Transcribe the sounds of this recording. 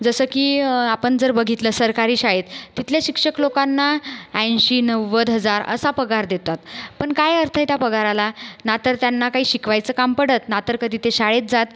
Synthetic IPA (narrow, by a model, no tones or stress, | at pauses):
d͡zəsəkiːapəɳd͡zəɾbəɡʱit̪ləsəɾkaɾiːɕaɭet̪ːit̪ʰljaɕikʂəklokanːaɛ̃nɕiːnəʋəd̪ɦəd͡zaɾə̰sapəɡaɾd̪et̪at̪pəɳkajəɾt̪ʰəjt̪japəɡaɾalanat̪əɾt̪janːakaɦiːɕikʰʋajt͡səːkampəɽət̪̚nat̪əɾkəd̪ʱiːt̪eɕaɭet̪̚d͡zat̪